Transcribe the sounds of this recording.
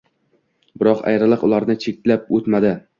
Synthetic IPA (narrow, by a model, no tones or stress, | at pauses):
bɪɾɒqa̰jɾɪlˠɨqʊlaɾnɪt͡ʃʰek̚ʲlap̚ot̪mad̪ɪ